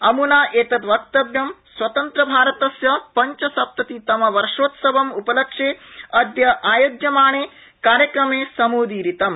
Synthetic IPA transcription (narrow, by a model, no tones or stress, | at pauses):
ɐmunaːʔeːt̪ɐt̪ʋɐk̚t̪ɐbjɐmswɐt̪ɐnt̪ɾɐbʱaːɾɐt̪ɐsjɐpɐɲt͡ʃɐsɐp̚t̪ɐt̪it̪ɐmɐʋɐɾʂoːt̪sɐbɐmupɐlɐkʂeːɐd̪jɐʔaːjoːd̪jɐmaːɳeː | kaːɾjɐkɾɐmeːsɐmuːd̪iːɾit̪ɐm